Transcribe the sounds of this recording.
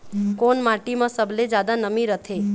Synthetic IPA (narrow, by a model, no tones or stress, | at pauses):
konmaʈimãsəbled͡ʒad̪anəmiɾət̪ʰe